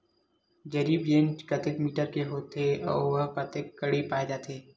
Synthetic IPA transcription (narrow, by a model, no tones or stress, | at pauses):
d͡ʒɐɾiːbjẽːnt͡ʃkɐt̪ekmiːʈəɾkeɦoːt̪ʰeɔ̰ːɾʋɐɦkɐt̪ekːɐɽepaːed͡ʒaːt̪ʰeː